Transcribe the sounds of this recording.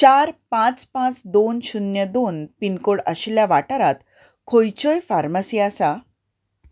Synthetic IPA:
t͡ɕaɾpãt͡spãt͡sd̪onɕunjəd̪onpinkoɽəɕljaʋaʈəɾat̪ | kʰojt͡ɕɔjfaɾmasiasa

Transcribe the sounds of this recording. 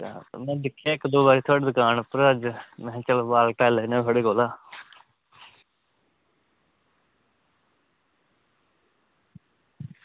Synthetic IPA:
mɛ̃ːd̪ɪkʰːaːɪkd̪oːbaːɾiːt̪ʰoaːɽed̪ʊkaːnpəɾəd͡ʒmɛ̃ːt͡ʃəlbaːlʈaːlənẽːt̪ʰaːɽeːkoːlaː

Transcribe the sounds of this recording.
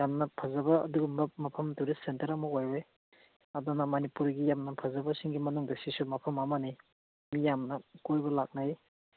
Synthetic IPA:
jamnɐpʰazɐbɐɐ̰duɡumbɐmɐpʰɐmduɾesentɐɾɐmɐojwe | ɐdɔnɐmanipuɾɡijamnɐpʰɐzɐbɐsiŋɡimɐnuŋdɐsisumɐpʰɐmamani | mijamnɐkojbɐlak̚naj

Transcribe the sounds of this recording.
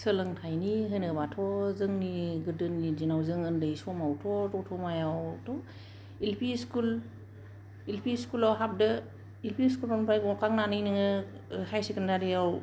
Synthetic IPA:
səlɯŋtʰajniɦɯjnɯbatʰɔzɯŋniɡɯdɯnːizinawzɯŋɯndɯjsɔmawtʰɔtɔtʰɔmajawtʰɔ | ilpʰiskul | ilpʰiskulawɦap̚dɯ | ilpʰiskulɔnpʰajɡɔkaŋnanɯjnɯŋɯ | hajsekəndaɾiaw

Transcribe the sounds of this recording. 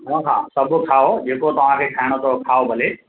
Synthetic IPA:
ɦãːɦã̰ːsɐbʊkʰaːod͡ʑeːkot̪ɐʋ̤ãkʰekʰaːɪɽ̃ot̪ʰokʰaːobʱɐle

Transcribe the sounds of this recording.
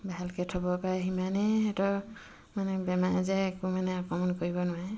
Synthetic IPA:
baɦalkɛtʰɔbɔpaɦimanɛɛtɔ | manɛbɛmaʔzɛːkumanɛakɔmɔnkoɹibɔnʊwaɛ

